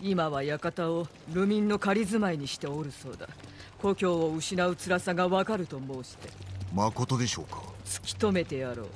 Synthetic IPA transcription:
imaβajakat̪ao | ɾɯ̟mʲĩnːo̞kaɾʲizɨmaiɲ̟iɕi̥t̪e̞o̞ɾɯ̟so̞̰ːd̪a̰ko̞kʲo̞ːoɯ̟ɕinaɯ̟t͡sɨɾasaɡaβakaɾɯ̟t̪o̞mo̞ːɕi̥t̪e̞̰mako̞t̪o̞d̪e̞ɕo̞̰ːkḁt͡sɨ̥kʲi̥t̪o̞me̞t̪e̞jaɾo̞̰ː

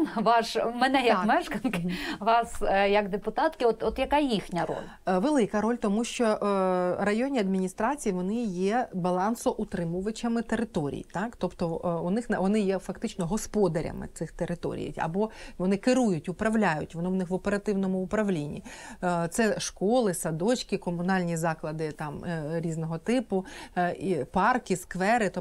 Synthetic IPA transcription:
ʋɑʃmɛnɛjɐkmɛʃkɐnkɪʋɑsjɐɡd̪epʊt̪ɑt̪kɪɔt̪ɔt̪jɐkajixnʲɐɾɔ̰lʲ | ʋelˠɪkɐɾɔlʲt̪ɔmuʃt͡ʃɔ | rɐjɔnʲiɐd̪̚mʲinʲist̪ɾɑt͡sʲijiʋɔnɪjɛbɐlˠɑnsɔʔʊt̪ɾɪmʊʋɐt͡ʃɐmɪt̪eɾɪt̪oɔɾʲḭjt̪ɑkt̪ɔpt̪ɔʊnɪxnʋɔnɪjɛfɐkt̪ɪt͡ʃnɔɦɔspɔd̪ɐɾʲɐ̰mɪ̰t̪sɪxt̪eɾɪt̪ɔ̰ɾʲḭj̰jɐ̰bɔʋɔnɪkɪɾujʊtʲʊpɾɐʋlʲajʊtʲʋɔnɪwnɪxʋɔpeɾɐt̪ɪwnɔmʊʊpɾɐʋlʲinʲːḭ | t̪sɛʃkɔlˠɪsɐd̪ɔt͡ʃʲkʲikɔmʊnɑlʲnʲizɑklˠɐd̪ɪt̪ɑmɾʲiznɔɦɔt̪ɪpʊipɑrkɪskʋɛɾɪt̪

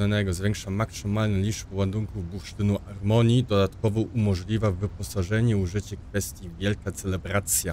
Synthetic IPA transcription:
anɛɡɔzvʲjɛŋkʂamaksɘmalnɛlʲiʐbwand̪uŋkuvbuʂt̪ɘnuaɾmɔɲid̪ɔd̪at̪kɔvɔʔumɔʐlʲivavɘpɔsaʐɛɲɛuʐɘt͡ɕɛkfɛst̪ʲjivʲjɛlkat̪sɛlɛbɾat̪sʲja

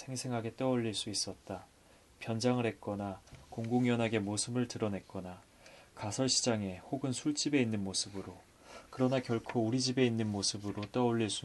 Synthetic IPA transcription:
sʰe̞ŋsʰe̞ŋɦaɡe̞t͈eʌʎːiɭs͈uis͈ʌt̚t͈a | pjʌnd͡ʑaŋɯɭhet̚k͈ʌnakoŋɡoŋjʌnaɡe̞mosʰɯbɯɭtɯɾʌne̞t̚k͈ʌna | kasʰʌɭɕʰid͡ʑaŋe̞hoɡɯnsʰuɭt͡ɕ͈ibe̞inːɯnmosʰɯbɯɾo | kɯɾʌnakjʌɭkʰouɾid͡ʑibe̞inːɯnmosʰɯbɯɾot͈eʌʎːiɭs͈u

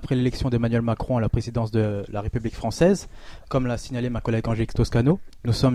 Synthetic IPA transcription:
apχɛlelɛksjɔ̃d̪emanɥɛlmakχɔ̃alapχezid̪ɑ̃sd̪əlaʁepyblikfχɑ̃sɛzkɔmlasiɲalemakɔlɛɡɑ̃ʒelikst̪oskanonusɔm

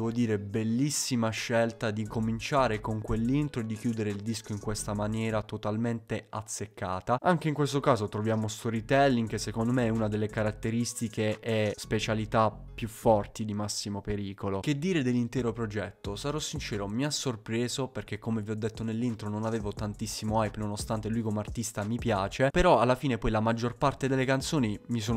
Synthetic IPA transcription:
ɛvod̪iːɾebelːisːimaʃːɛlt̪ad̪ikomint͡ʃaːɾekoŋkwelːint̪ɾoed̪ːik̟juːd̪eɾeild̪iskoiŋkwest̪amanjɛːɾat̪ot̪alment̪eat̪sːekːaːt̪aaŋk̟eiŋkwest̪okaːzot̪ɾovjaːmost̪ɔɾit̪ɛlːiŋkesːekond̪omeunad̪elːekaɾat̪ːeɾist̪ikeʔɛspet͡ʃalit̪a | pːjufːɔrt̪id̪imasːimopeɾiːkolok̟ed̪ːiːɾed̪elːint̪ɛːɾopɾod͡ʒɛt̪ːosaɾɔsːint͡ʃɛːɾomiasːorpɾeːzoperk̟ekːomeviɔd̪ːet̪ːonelːint̪ɾononaveːvot̪ant̪isːimoajpnonost̪ant̪elujkomeart̪ist̪amipjaːt͡ʃepeɾɔalːafiːnepɔjlamad͡ʒːorpart̪ed̪elːekant̪soːnimis̬oːn

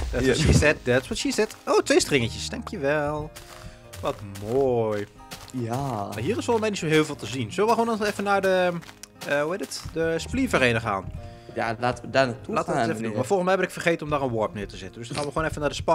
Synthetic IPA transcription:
dɔisɛt̚dɛsʋɔtʃisɛtoːtʋeːstrɪŋətəsdɛŋkʰjəʋɛlˠ | ʋɔtmoj | aaɦiərɪsfolˠənsmɛjnitsoɦɪːlˠvɪːlˠtəzinsøləʋəxoːnɔnɛfənadə | əhuheːdɪtdəsplivəreːnəχa̰ːn | jalatədantulaːtəətɛfədunmafɔlˠxənsmɛjhɛbənɪkfərxeːtənɔmdarənʋɔɹpnɪətəzɪtəndøsxaːnʋəxoːnɛfənadəspɔ

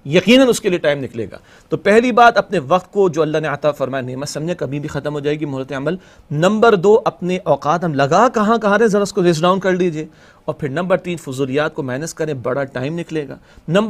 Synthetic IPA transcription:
jɐqiːnənʊskelieʈaːɪmnɪklḛːɡa̰ː | t̪oːpɛɦlibaːd̪ɐpneʋɐq̚t̪̚kod͡ʒoːɐlːaɦneɐt̪afɐɾmaːjaneːməsɐmd͡ʒẽkɐbʱĩbʱixɐt̪əmɦoːd͡ʒaːeɡimʊɦɾət̪eɐməl | nɐ̃mbəɾd̪oːʔɐpneʔɔːqaːt̪ɦɐmlɐɡakɐɦãkɐɦãɾɐɦẽzɐɾaʊskoɾes̬ɖãːʊ̃nkɐɾd̪iːd͡ʒieː | ɔːɾpʰɪɾnɐ̃mbəɾt̪iːnfʊzuːlijaːt̪̚komɛːnɪskɐɾẽbɐɽaʈaːɪmnɪkleːɡa̰ː | nɐ̃mb

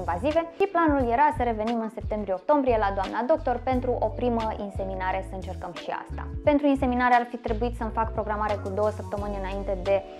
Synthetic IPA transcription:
nvazive̞ʃiplanulje̞ɾasəɾe̞ve̞nimɨnse̞p̚t̪e̞mbɾijeok̚t̪o̞mbɾije̞lad̪oamnad̪o̞k̚t̪o̞rpe̞nt̪ɾuʔo̞pɾiməinse̞minaɾe̞səɨnt͡ʃe̞rkəmʃia̰st̪a̰pe̞nt̪ɾuinse̞minaɾearfit̪ɾe̞buit̪səmfakpɾo̞ɡɾamaɾe̞kud̪o̞wəsəp̚t̪əmɨnʲɨnaint̪e̞d̪e̞

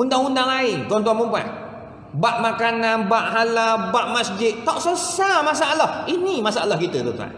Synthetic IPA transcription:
undaŋundaŋlaɪnt̪uant̪uanbəba̰ʔ̪ | baʔmakananbaʔɦalabaʔmasd͡ʒɪt̪̚t̪aʔsəsamas̬aʔalahinimasaalahkit̪ət̪ut̪ua̰n

